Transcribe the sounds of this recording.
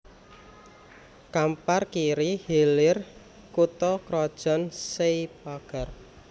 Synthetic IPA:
kamparkiɾihelɪr | kut̪ɔkɾɔd̥ʒ̥ɔ̤nseipaɡ̥a̤r

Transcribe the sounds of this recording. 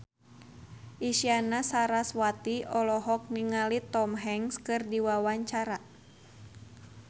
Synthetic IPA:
ʔisianasaɾaswat̪iɔlɔɦɔk̚niŋalit̪ɔmɦɛŋskɨrdiwawaɲt͡ʃaɾa

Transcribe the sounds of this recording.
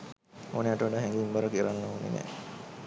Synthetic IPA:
oːneaʈəʋaɖaːɦɛŋɡiimbaɾəkiɾanːəonḛnɛ̰

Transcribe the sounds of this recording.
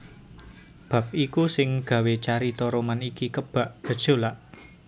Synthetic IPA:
b̥ä̤p̚ikusɪŋɡ̥ä̤wet͡ʃaɾit̪ɔɾomanikikəb̥a̤ʔd̥ə̤d̥ʒ̥o̤laʔ

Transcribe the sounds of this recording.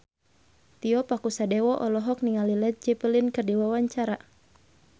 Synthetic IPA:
t̪iɔpakusadɛwɔʔɔlɔɦɔk̚niŋalilɛt̪̚d͡ʒɛpəlinkɨrdiwawaɲt͡ʃaɾa

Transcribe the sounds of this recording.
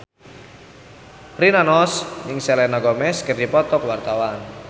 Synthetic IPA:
rinanɔsɲɪŋsɛlɛnaɡɔmɛskərdipɔt̪ɔkwart̪awan

